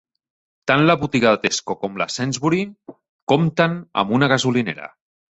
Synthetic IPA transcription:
t̪anlaβut̪iɣaðat̪eskokomla̰sɛnzβuɾi | komt̪ana̰munaɣazulinḛɾa̰

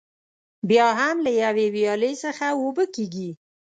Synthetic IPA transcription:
bjɑɦamlajawewjɑləjsəxawobəkeɡi

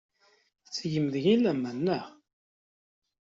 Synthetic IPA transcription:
t͡sːʝəmðəʝilæmːænːəʁ

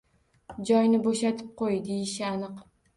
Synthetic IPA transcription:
d͡ʒɒjnɪboʃat̪ʰɪ̥p̚qʰojd̪ejɪʃɪanɨq

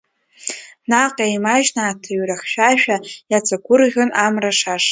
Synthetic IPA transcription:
naqʼajmaʒnaːtʰaɥraχʲʃᶣaʃᶣajat͡sʰakʷʰʊrʁʲonʔamraʂaʂ

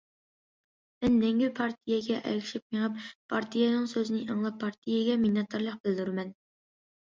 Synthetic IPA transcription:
mɛnːɛŋɡʲypʰɑɾt̪ʰijɛɡʲɛʔɛ̰kʲʰi̥ʃip̚meʁəppʰɑɾt̪ʰijɛnɨŋsøzɪnɪʔɑŋlˠɑpʰːɑɾt̪ʰijɛɡʲɛminjɑt̪ʰoɾlˠəq̚bɪld̪yɾmɛn

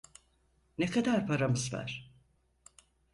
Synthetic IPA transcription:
nekʰad̪aɾpʰaɾamɯzva̰ɾ̥

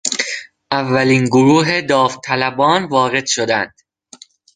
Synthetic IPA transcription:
ʔævːæliːnɡoɾuːɦe̞d̪ɒːft̪ʰælæbɒːnvɒːɣe̞d̪̥ʃod̪ænd̪̥

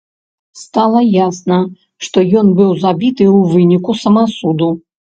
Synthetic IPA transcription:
st̪alˠɐjasnɐ | ʂt̪ɔjɔnbɨwzabʲit̪ɨuvɨnʲikusɐmasud̪u

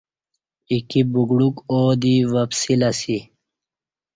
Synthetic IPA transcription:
ikibuɡɽukoːd̪iwɐpsilasi

